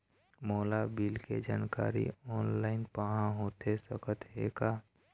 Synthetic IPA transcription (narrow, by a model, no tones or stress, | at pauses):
moːlabilked͡ʒaːnka̰ːɾḭɔːnlaːɪnpaɦãɦoːt̪ʰesəkət̪ɦḛka